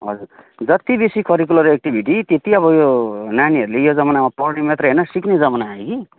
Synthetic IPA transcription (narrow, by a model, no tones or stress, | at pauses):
ɦʌ̰d͡zur | d͡zʌt̪ibesikʰʌɾik̬ulʌɾek̚ʈibʱiʈit̪et̪iʌβʌjonaniɦʌɾulejod͡zʌmanamapʌrɽimet̪rʌɦʌnʌsikned͡zʌmanaːeki